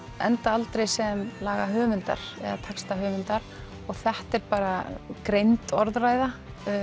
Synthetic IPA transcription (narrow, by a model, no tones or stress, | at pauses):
ɛ̰nt̪aalt̪ɾejsɛmlaːɣaɦœːvʏnt̪a̰ɾ̥ɛ̰ðat̪ʰakst̪aɦœːvʏnt̪aɾ̥ | ɔɣθɛht̪ɛɾpaːɾakɾejnt̪ɔɾðraːjða